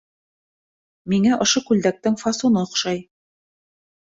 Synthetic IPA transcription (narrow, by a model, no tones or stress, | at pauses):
miŋæʔŏʃokʉld̪æk̚t̪ɘŋfɑsunɤŏχʃɑj